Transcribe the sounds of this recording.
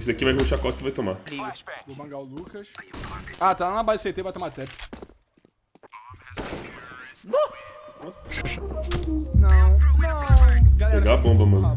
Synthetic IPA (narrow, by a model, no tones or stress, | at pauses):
s̬ɪd̪akivajoʃakwɔst̪uvajt̪omalĩɡɐomɐ̃ɡawlukɐʃ | at̪alanɐbaset̪evajt̪omat̪ɛp | nɐ̃nɔsʃaʃaanɐ̃nɐ̃ɡalẽɡabõbɐmɐ̃